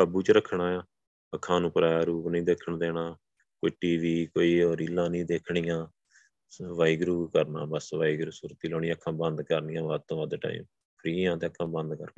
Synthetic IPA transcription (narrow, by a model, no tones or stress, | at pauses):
aːbuːt͡ʃəɾəkʰɳaːaː | əkʰːãːnũːpəɾaːɾuːpnĩːd̪eːkʰːəɳd̪eːɽaː | koiːʈiːʋiːkoːiːoːɾilːãːnĩːd̪eːkʰɳijãː | ʋaːiːɡɾuːkəɾna̰ːbəsʋaːiːɡɾuːsuːɾt̪iːloːɽĩːãːkʰːãːbənd̪kəɾniːãːʋad̪̚t̪õːʋəd̪ʈa̰ːḭːm | pʰɾiːãːt̪eːəkʰːãːbə̃nd̪kəɾ